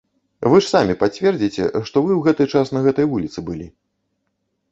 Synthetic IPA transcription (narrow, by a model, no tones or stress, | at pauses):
vɨʂsamʲipat͡sʲvʲɛrd͡zʲit͡sʲɛ̰ʂt̪ɔvɨwɣɛt̪ɨt͡ʂasnɐɣɛt̪ɐjvulʲit̪sɨbɨlʲi